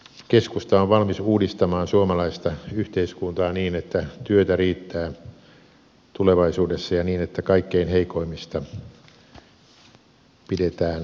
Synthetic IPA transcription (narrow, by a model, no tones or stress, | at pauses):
keskust̪ɑoʋʋɑlmisuːdist̪ɑmɑːnsuomɑlɑist̪ɑyht̪eiskunt̪ɑːniːnet̪ːæt̪yøt̪æriːt̪ːæː | t̪uleʋɑisuːdesːɑjɑniːnet̪ːækɑikːeinheikoimist̪ɑ | pidet̪æːn